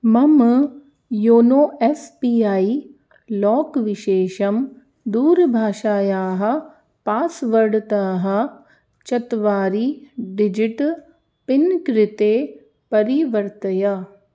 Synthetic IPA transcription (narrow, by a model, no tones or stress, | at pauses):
mɐm | joːnoːɛspiːaːiː | lɔːkʋɪʃeːʃɐm | d̪uːɾbʱaːʃaːjaːɦɐ | paːsʋɐɽt̪aːɦɐ | t͡ʃɐt̪ʋaːɾiːɖɪd͡ʒɪʈ | pɪnkɾɪt̪eː | pɐɾiʋəɾt̪əja